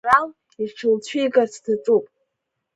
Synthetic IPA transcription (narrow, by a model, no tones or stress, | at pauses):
ral | iʈ͡ʂʰɨlt͡ɕʷʰijɡart͡sʰdʰat͡sʼupʼ